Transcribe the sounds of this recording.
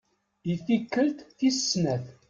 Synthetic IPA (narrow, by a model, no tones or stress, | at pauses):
ifikːəlt̪θisnæθ